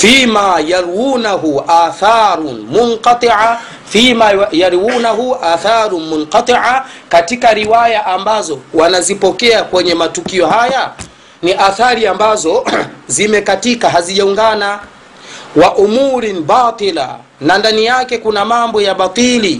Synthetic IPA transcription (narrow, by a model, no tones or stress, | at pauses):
fimajaɾwunaɦuaːθaːɾnmunqɑt̪ˤɨʕa | fimajaɾwunaɦuʔaθaɾumunqɑt̪ˤiʕakatikaɾiwajaʔambazɔwanazipɔkɛakwɛɲɛmatukiɔhaja | niʔaθaɾiambazɔzimɛkatikaɦaziʄauŋɡana | waʔumuɾinbaːt̪ˤila̰ | nandanijakɛkunamambɔjaɓat̪ˤili